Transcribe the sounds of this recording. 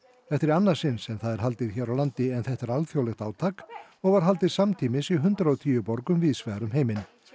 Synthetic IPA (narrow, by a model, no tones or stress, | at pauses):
θɛft̪ɪɾanːasɪnsɛmθaðɛɾɦal̪t̪ɪɾçɛːɾawlant̪ɪɛnθɛht̪aɾalθjowlɛxt̪aːwt̪ʰaːk | ɔɣvaɾ̥ɦal̪t̪ɪ̥samt̪ʰiːmɪsiɦʏnt̪ɾaɔt̪ʰiːjʏpɔɾkʏmviːsvɛːɾʏmɦeːjmɪn